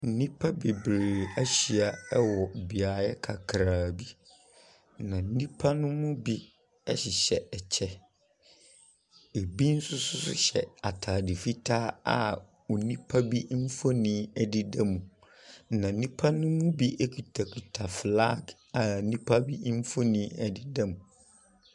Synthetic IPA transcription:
n̩˦˨nĩ˦pʰa˦be˨bɾe˨æ˦ɕi˨a˨ɛ˦wɔ˨bi˨a˨jɛ˦kʰa˨kʰɾaː˨bi˦ | nã˨n̩˦nĩ˦pʰa˦nʊ̃˦mʊ̃˦bi˦ | ɛ˦ɕɪ˨ɕɛ˨ɛ˨t͡ɕʰɛ˦ | e˨bi˦n̩˦sʊ˦sʊ˦sʊ̰˦ɕɛ̰˨a˨tʰaː˨dɪ˨fi˦tʰaː˦a̰˨ | o˨nĩ˦pʰa˦bi˦m̩˦fo˦nɪ̃˦ɛ˨dɪ˦dɛ˦mũ˨ | nã˨n̩˦nĩ˦pʰa˦nʊ̃˦mʊ̃˦bi˦ʔe˦kʰu˨tʰa˨kʰu˨tʰa˨fla˦˨ɡ | a˨˦nĩ˦pʰa˦bi˦m̩˦fo˦nĩ˦ɛ˦dɪ˦dɛ˦mũ˨

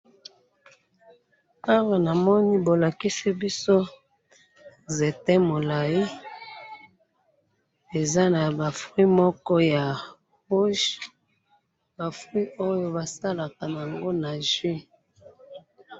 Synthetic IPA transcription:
a˦wa˨na˨mɔ˦ni˦bo˨la˨ki˦se˦bi˦so˦ | ze˨tɛ˦mo˨la˨ji˦ | e˨za˦na˨ba˨fwi˦mɔ˦kɔ˦ja˨ | ʁu˦ʒ | ba˨fʁi˦ʔo˦jo˦ba˨sa˦la˨ka˨n˨a˨ŋɡo˦na˨ʒwi˦

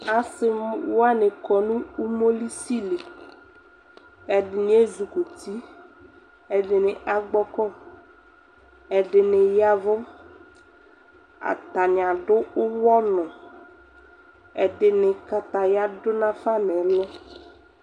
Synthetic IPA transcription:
a˨sɪ˦a˦ne˨kɔ˨nũ˦u˦mo˦li˦si˦le˨ | ɛ˨dɪ˨ɲ˦e˦zu˨ko˨t̪i˦ | ɛ˨ɖɪ˨nɪ˨ʔa˨ɡ͡bɔ˦kɔ˦ | ɛ˨ɖɪ˨nɪ̃˨ja˦vʊ˦ | a̰˨t̪a˨ɲ˨a˨ɖʊ˦ʊ˦wɔ˦nɔ̃˨ | ɛ˨ɖɪ˨nɪ˨ka˦t̪a˨ja˦dʊ˦nã˦fa˦nɛ˨˦lɔ˦

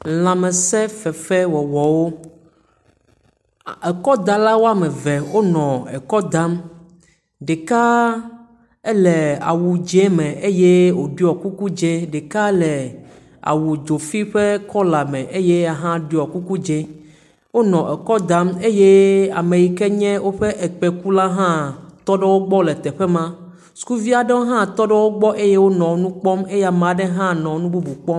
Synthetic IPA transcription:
l̃ã˨mɛ̃˨sɛ˦fɛ˨fɛ˦wɔ˨wɔ˨wo˦ | e˨kɔ˦d̪a˦la˦wo˦a˦mɛ˨vɛ˨wo˦nɔ̃˨ɛ˨kɔ˦d̪a˦m | ɖe˨ka˦ | e˦lɛ˨a̰˨wu˨d͡ʒe˦mɛ̃˨ʔe˦je˦wo˨ɖu˦ɔ˨ku˦ku˦d͡ʒe˦ɖe˨ka˦lɛ˨ | a̰˨wu˨d͡ʒo˨fi˦ɸe˦kʰɔ˦la˨mɛ̃˨ʔe˦je˦a˨ɦã˦ɖi˦ɔ˨ku˦ku˦d͡ʒe˦ | wo˦nɔ̃˨ʔɛ˨kɔ˦d̪ã˦me˦je˦a̰˨me˨ji˨kɛ˦ɲɛ̃˦wo˦ɸe˦ʔɛ˨k͡pɛ˨ku˦la˦ɦã˦t̪ɔ˦ɖɛ˦wo˦ɡ͡bɔ˦lɛ˨t̪ɛ˨ɸɛ˦mã˦ | su̥˦ku˦vi˦a˨ɖɛ˦wo˦ɦã˦t̪ɔ˦ɖɛ˦wo˦ɡ͡bɔ˦ʔe˦je˦wo˦nɔ̃˨wo˦nũ˦k͡pɔ˦me˦ja˨mã˨ɖe˦ɦã˦nɔ̃˨˦nũ˦bu˦bu˨k͡pɔ˦m

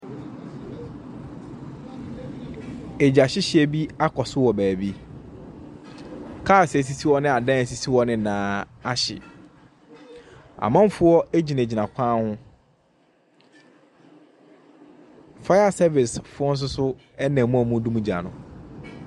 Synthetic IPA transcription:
e˨d͡ʑa˨ɕɪ˦ɕɪ˦ɛ˨bi˦a˦kʰɔ˨sʊ˦wɔ˨bæː˨bi˦ | kʰaː˦˨sɛ˨s̬i˦si˦wɔ˦nɪ̃˦a˨dã˦æ˨si˨si˦wɔ˦nɪ̃˦nãː˨˦a˦ɕɪ̰˨ | a̰˨mã˦m˦fʊ˦ɔ˦æ˦d͡ʑi˨nã˨d͡ʑi˨nã˨kʷʰãː˦hʊ̃˦ | fa˦a˨sɛ˦vɪ˨sfʊ˦ɔ˦n̩˦s̬ʊ˦sʊ˦ | ɛ˦nɛ̃˨mũ˦a˨mũ˦dũ˦mũ˦d͡ʑa̰˨nʊ̰̃˨

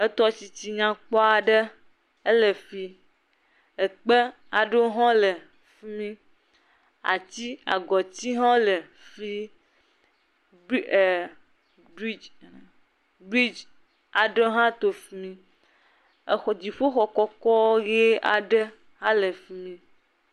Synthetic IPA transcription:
ə˦t̪ɔ˦t͡ɕi˨t͡ɕi˨ɲã˨k͡pɔ˦a˨ɖə˦ | ə˦lə˨fi˦ | ə˨k͡pe˦ | a˨ɖo˦ɦɔ̃˦lə˨ | fi˦mĩ˦ | a̰˨t͡ɕ̪i˦a̰˨ɡɔ˨t͡ɕ̪i˦ɦɔ̃˦le˨ | fi˦˨ | bi˦d͡ʒ | bɾi˦d͡ʒ | a˨ɖe˦ɦã˦t̪o˨fi˨mĩ˦˨ | xd͡ʑi˨ɸo˦xɔ˨kɔ˦kɔ˦ɣe˦a̰˨ɖe˦ | ɦã˦le˨fi˦mĩ˦

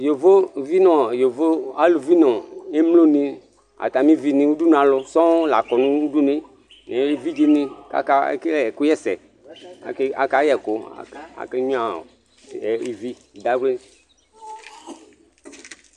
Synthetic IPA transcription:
jo˨vo˦vi˦nɔ̃˨jo˨vo˦a˦lu˨vi˦nɔ̃˨e˦mlo˦nĩ˦ | a̰˨t̪a˨mĩ˦vi˦nĩ˨wu˦du˦n˦˨ã˨lo˦sɔ̃˦la˨kɔ˨nũ˦u˦du˦ne˦ | nẽ˨˦li˦vi˦d͡ʒe˦nĩ˦ka̰˦ka˦ḛ˦ke˦lku˦jɛ˦sɛ̰˨ | ke˦a˨ka˦jɛ˨ko̰˨˦a̰˨ke˦ɲũ˦ã̰˨ | i˨vi˦˨d̪a˦ɡ͡ble˦

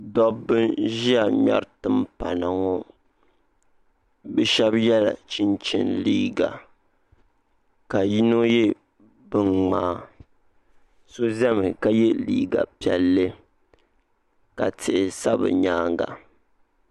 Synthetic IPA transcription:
dɔ˦bːɨ˦nʒi˦a˨ɲa̰˦ɾtɨ˦mpa˨na˨ŋɔ˦ | bɛ˦ʃɛ˦bjɛ˦la̰˨t͡ʃi˦nt͡ʃɪ̰˨nliː˦ɡa̰˨ | ka˨ji˦no˦jɛ˦ | bɨ˦ŋŋ͡maː˦ | so˦zɛ˦mɨ˨ka˦jɛ˦lḭː˦ɡa̰˨pi˨ɛ˨lːɨ˦ | ka˨tɪ˨ʔɪ˨sa˦bɨ̰˨ɲaː˦ŋɡa̰˨

